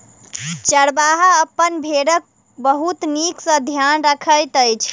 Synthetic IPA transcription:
t͡ʃəɽbaɦaəpːənbʱeɽək̚ | bəɦut̪niksə̃d̪ʱjanɾəkʰəjt̪əjt͡ʃʰ

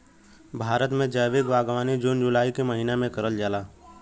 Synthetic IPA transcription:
bʱaːɾət̪mẽd͡ʒəːjʋɪkʋaːɡʋaːnid͡ʒuːnd͡ʒʊlaːikeməɦiːnamẽkɐɾəld͡ʒaːlaː

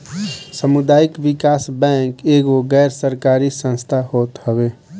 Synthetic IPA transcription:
səmʊd̪aːɪkʋɪkaːsbɛ̃ŋkeːɡoɡɛːɾsəɾkaːɾisə̃nst̪ʰahoːt̪həɡeː

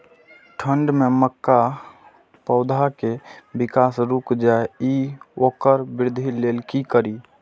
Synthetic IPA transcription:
ʈʰəɳɖmeməkːa | pəʊd̪ʱakebikasɾukd͡ʒaeiokəɾbɪɾd̪ʱilelkikəɾi

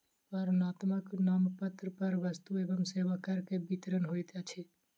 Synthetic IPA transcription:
pəɾnat̪məknampət̪ɾəpəɾʋəst̪uebəmsebakəɾkebit̪ɾənɦojt̪at͡ʃʰi

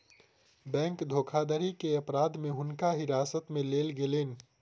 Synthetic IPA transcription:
bɛ̃ːŋkd̪ʱoːkʰad̪əɾikeɐpɾaːd̪mẽɦʊnkaɦɪɾaːsət̪mẽleːlɡeleːn̆

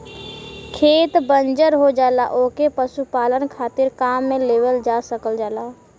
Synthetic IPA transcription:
kʰeːt̪bənd͡ʒəɾɦod͡ʒaːla̰ʔoːkepəsupaːlənkʰaːt̪ɪɾkaːmːẽleːʋəld͡ʒaːsəkəld͡ʒaːlaː

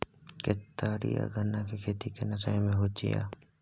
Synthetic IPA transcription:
kɪt̪aːɾḭja̰ɡʱənːakekʰeːt̪ikenɐsaːjmẽɦot͡ʃḭja̰ː

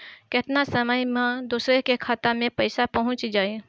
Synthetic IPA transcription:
kɪt̪nasəməjmãd̪uːsɾekekʰaːt̪amẽpɐɪsapɐɦʊ̃t͡ʃd͡ʒaːi

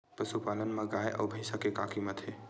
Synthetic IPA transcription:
pəsupaːlənmẽɡaːjʔɔ̰ːbʱəɪsakeka̰ːkʰimət̪ʰe

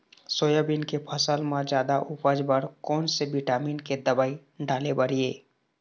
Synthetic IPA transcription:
soːjabinkepʰəsəlmãd͡ʒjaːd̪aʔupəd͡ʒbəɾkɔːnsebiʈaːmiːnked̪əbaːi | ɖaːlebəɾieː

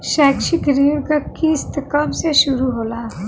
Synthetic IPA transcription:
ʃɛːkʃikɾiːɽɡəkkːist̪ʰkəmseʃʊɾuɦoːlaː

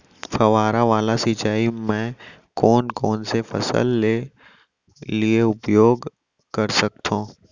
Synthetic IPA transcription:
fɐʋaːɾaʋaːlasɪt͡ʃaːimɛ̃ | kɔːnkɔːnsefɐ̰sə̰lːe | lieʊpjoːɡ | kɐɾsɐk̚t̪ʰõː

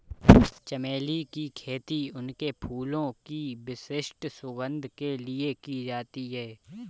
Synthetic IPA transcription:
t͡ʃɐmeːlikikʰeːt̪iʊnkepʰuːlõkibɪsɪʃʈsʊɡə̃nd̪ʱkeliekid͡ʒaːt̪iɦɛː

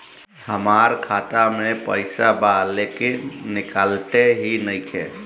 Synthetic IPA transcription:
həmaɾkʰat̪amepəɪsabalekenikalʈ̪eɦinəjkʰḛ

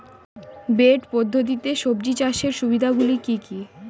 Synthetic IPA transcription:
beʈpod̪ʱːot̪̬it̪eʃobd͡ʑit͡ɕaʃeɾʃubid̪ʱaɡulikiki

